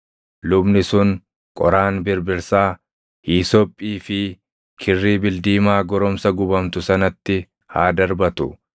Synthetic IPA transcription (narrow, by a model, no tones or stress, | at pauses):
lʊbnɪsʊn | kʼɔ̰ɾaːnbɪɾbɪɾsaː | hiːsɔpʼːiːfɪ | kʰɪrːiːbɪld̪iːmaːɡɔɾɔmsɐɡʊbɐmt̪ʊsɐnɐt̪ːɪ | haːd̪ɐɾbɐt̪ʊ